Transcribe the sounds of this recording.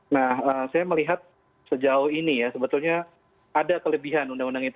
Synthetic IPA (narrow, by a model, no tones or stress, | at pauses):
nahəːsajaməliɦat̪̚ | səd͡ʒaʊhinijasəbət̪ulɲa | adakələbiɦanundaŋundaŋit̪